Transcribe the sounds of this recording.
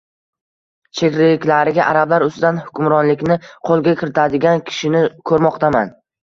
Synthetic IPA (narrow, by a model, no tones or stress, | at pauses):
t͡ʃʰekʲɾeɪkʲlaɾɪɡʲaʔaɾablaɾʊst̪ɪd̪anhʊ̥kʲʰʊmɾɒnlɪkʲnɪqʰolˠɡʲakʲʰɪɾɪt̪ʰad̪ɪɡʲankʲʰɪ̥ʃɪnɪkʰɵɾmɒqt̪ʰaman